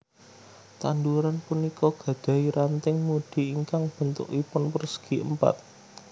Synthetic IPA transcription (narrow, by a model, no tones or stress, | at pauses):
t̪and̪uɾanpunikɔɡ̥ä̤d̪̥ä̤iɾant̪ɪŋmuɖ̪̥i̤iŋkaŋb̥ə̤nt̪ʊ̰kipʊnpərsə̥ɡ̥iə̰mpa̰t̪̚